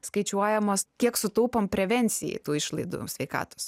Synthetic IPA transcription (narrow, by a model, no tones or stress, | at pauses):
skɐɪt͡ʃʲuɔjɛmoːskʲiɛksʊt̪uːpompʲɾʲɛʋʲɛnʲt̪sʲɪjɛ̰ɪt̪uːɪʃlˠɐɪd̪ṵːsʲʋʲɛɪkɑ̰ːt̪o̥s